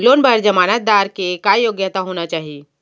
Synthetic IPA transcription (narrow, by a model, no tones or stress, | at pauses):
loːnbʱəɾd͡ʒɐmaːnət̪̚d̪aːɾkekajoɡjət̪aɦoːnat͡ʃaːɦi